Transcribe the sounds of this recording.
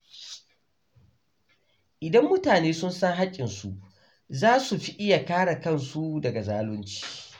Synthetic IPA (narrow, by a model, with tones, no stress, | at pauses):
ʔɪ˨dɐ˦mːʊ˦taː˨neː˦sʊ˦nsɐ˦ŋɦa˦kʲʼːɪ˨nsu˨ʔ | zaː˦su˨ɸi˦ʔɪ˦ja˨kaː˦ɽa˨kɐ˦˨nsu˦dɐ˨ɡa˨zaː˦lʊ˦nt͡ʃi̥ː˦